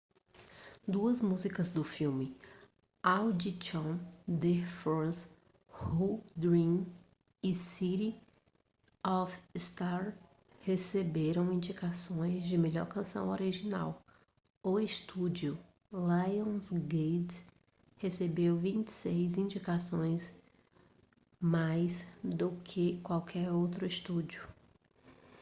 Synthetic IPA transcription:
d̪uɐzmuzikɐzd̪ʊfiwmɪ | awd͡ʒit͡ʃõd̪efos | hud̪ɾĩm | ɪsiɾi | ɔfst̪aɾ | hesebeɾɐ̃w̃ĩnd͡ʒikasõj̃zd͡ʒɪmeʎɔ̰ɾkɐ̃sɐ̰̃w̃oɾiʒina̰w | ʊɪst̪ud͡ʒiʊ | lajõsɡed | hesebewvĩnt͡ʃɪ̥sejzĩd͡ʒikasõj̃s | majsd̪ʊkʰɪkwawkʰɛɾowt̪ɾʊist̪ud͡ʒʊ

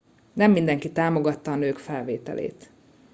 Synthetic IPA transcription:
nɛmːind̪ɛŋkit̪aːmo̞ɡɒt̪ːɒːnøːkfɛlveːt̪ɛ̰lḛːt̪

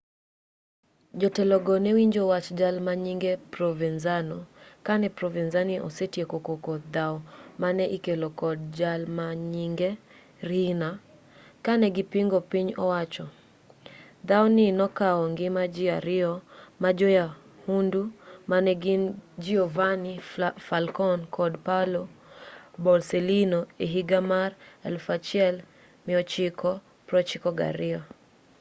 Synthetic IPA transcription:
d͡ʒɔtɛlɔɡɔnɛwiɲd͡ʒowat͡ʃd͡ʒalmaɲiŋɡepɾɔvɛnzanɔkanɛpɾɔvinzaniʔɔ̰setjekokokɔd̪aɔmanɛʔikelɔkɔd̚d͡ʒalmaɲiŋɡe | ɾina | kanɛɡɪpɪŋɡɔpiɲɔwat͡ʃɔ | d̪awɔnɪnɔkaɔŋɡɪmad͡ʒɪaɾɪɔmad͡ʒɔja | hundumanɛɡɪnd͡ʒiɔvanifalkɔnkʰɔdpalɔ | bɔlselinoeɦiɡamaɾɛ̰lfat͡ʃɪɛl | mɪɔt͡ʃɪkʰɔ | pɾɔt͡ʃɪkɔɡa̰ɾɪɔ

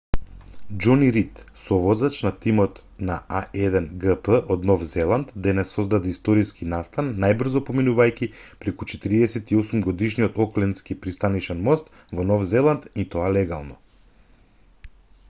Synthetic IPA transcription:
d͡ʒɔniɾit̪sɔvɔzat͡ʃnat̪imɔt̪ | naaʔɛd̪ɛnɡəpəʔɔd̪nɔfzɛlˠant̪d̪ɛnɛsːɔzd̪ad̪ɛist̪ɔɾiskinast̪anːajbr̩zɔpominuvajkʲipɾɛkut͡ʃɛt̪iɾiɛsɛt̪iɔsumɡɔd̪iʃnijɔt̪ɔklɛnt̪skipɾist̪anit͡ʃɛnmɔst̪ | vɔnɔfzɛlˠant̪it̪ɔalɛɡa̰lˠnɔ

